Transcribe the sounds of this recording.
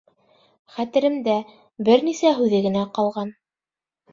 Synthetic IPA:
χæt̪ɘ̆ɾɘ̆md̪æ | bɘɾnisæɦʉðɘɡɘ̆næqɑlˠʁɑn

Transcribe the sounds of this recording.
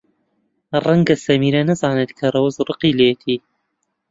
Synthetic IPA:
rˤɐŋɡɐsɐmiːɾɐnɐzɑːnet̪kʰɐɾˤɐwzɾˤɨqiːleːt̪ʰiː

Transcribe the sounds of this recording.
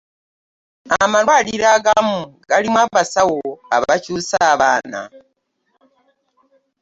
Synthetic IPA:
amalwaːliɾaɡamuɡalimwaβasawoa̰βacuːsaːβaːna̰

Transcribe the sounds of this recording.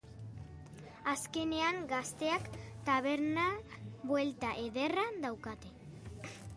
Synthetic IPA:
aske̞ne̞aŋɡast̪e̞akt̪aβe̞ɾnabwe̞lt̪aʔe̞ðe̞rand̪awkat̪e̞

